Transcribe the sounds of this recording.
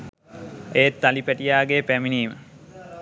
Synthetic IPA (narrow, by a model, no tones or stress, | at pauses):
eːt̪ːalipæʈijaːɡeːpæminiːmə